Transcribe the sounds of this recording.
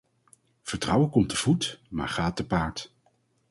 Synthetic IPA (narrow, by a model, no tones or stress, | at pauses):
v̥əɹtrʌwəkɔmtəv̥utma̰ːɹχaːt̚əpaːɹt